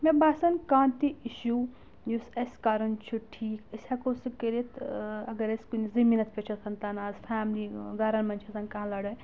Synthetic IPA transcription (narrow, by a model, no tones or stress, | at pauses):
mebaːsɐnkãːnt̪iiʃu | jusɐsʲkaːɾɐnt͡ʃʰuʈʰiːkɐsʲakosɨkəɾit̪ɐɡɐɾɐskunzɐmiːnɐt̪pʲet͡ʃʰɐt̪ʰɐnt̪ɐnaːzfʰaːmliɡaːɾɐnmɐnt͡ʃʰɐsɐnkãlɐɽɐj